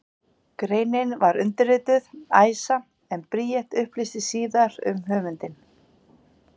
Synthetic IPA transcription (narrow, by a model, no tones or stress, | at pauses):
kɾeːjnɪnvaɾʏnt̪ɪɾɪːt̪ʏðaːjsa | ɛnpɾiːjɛht̪ʏhplist̪ɪsiːðaɾʏ̰mɦœːmʏnt̪ɪn